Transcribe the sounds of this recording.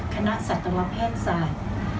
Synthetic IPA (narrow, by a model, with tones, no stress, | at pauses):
kʰa˧na˦˥ʔsa˨˩t̪ːa˧wa˦˥pʰɛː˥˩t̪̚saː˨˩t̚